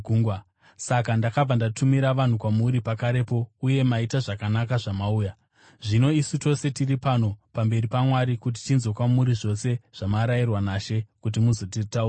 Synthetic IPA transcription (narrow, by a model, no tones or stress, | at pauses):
uŋɡa | sakandakab͡vandatʰumiɾaʋan̤ukwamuɾipakaɾe̞po̞uje̞maitaʐakanakaʐamauːja | ʐino̞isuto̞se̞tiripano̞pambe̞ɾipamwaɾikut̬i̥tinzo̞kwamuɾiʐo̞se̞ʐ̥amaɾajirwanaʃe̞kut̬imuzot̬iritaura